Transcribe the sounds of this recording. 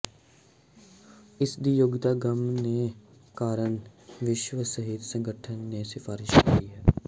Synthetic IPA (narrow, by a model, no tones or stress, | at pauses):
ɪsd̪iːjoɡt̪aːɡəmneː | kaːɾənʋɪʃʋəsəɦɪd̪sə̃ŋɡəʈʰənːeːsɪfʰaːɾɪʃkiːɦɛː